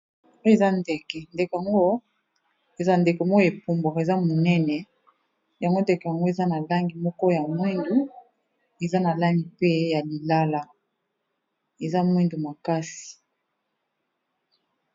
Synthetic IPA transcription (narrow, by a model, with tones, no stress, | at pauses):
o˦e˨za˦nde˨kɛ˨nde˨kja˨ŋɡo˦ | e˨za˦nde˨ko˨mɔ˦ko˦e˨pu˦mbo˨e˨za˦mo˨nɛ˦nɛ˨ | ja˨ŋɡo˦ndɛ˨kɛ˨ja˨ŋɡo˦e˨za˦na˨la˦ŋɡi˨mɔ˦kɔ˦ja˨mwi˦ndu˨ | e˨za˦na˨la˦ŋɡi˨pe˦ja˨li˨la˦la˦ | e˨za˦mwi˦ndu˨ma˨ka˦si̥˨